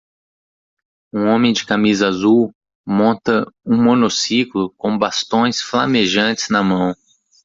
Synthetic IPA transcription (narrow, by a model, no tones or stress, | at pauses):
ũõmẽj̃d͡ʒɪkamizɐazuw | mõnt̪ɐũmonosiklʊkõw̃bast̪õj̃sflameʒɐ̃nt͡ʃɪ̥znɐmɐ̃w̃